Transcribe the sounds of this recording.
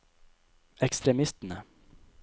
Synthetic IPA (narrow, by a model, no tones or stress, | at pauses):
ɛkst̪ɾɛmɪst̪ənə